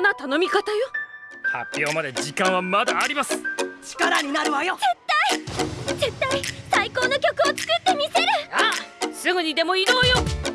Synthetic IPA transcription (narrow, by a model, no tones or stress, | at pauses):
nat̪ano̞mʲikat̪ajo | ha̰pʲːo̞ːmad̪e̞ʑikãɰ̃βamad̪aːɾʲimasɨ̥t͡ɕi̥kaɾaɲ̟inaɾɯ̟ajozet̪ːaid͡ʑɨt̪ːaisaiko̞ːno̞kʲo̞kɯ̟o̞t͡sɨ̥kɯ̟t̪ːe̞mʲise̞ɾɯ̟asɨɡɯ̟ɲ̟id̪e̞mo̞ino̞ːjo̞